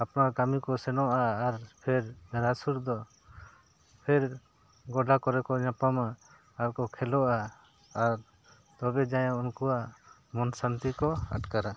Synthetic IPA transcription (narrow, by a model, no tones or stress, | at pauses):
apnaɾkamikɔsɛnɔʔaːɾpʰɛɾɾasuɾd̪ɔ | pʰɛɾ | ɡɔɖakɔɾɛkɔɲapamaː | ɾkɔkʰɛlɔʔaː | ɾ | t̪ɔbɛd͡ʒajɛ̃ɔnkuwaʔ | mɔnsant̪ikɔa̰ʈkaɾa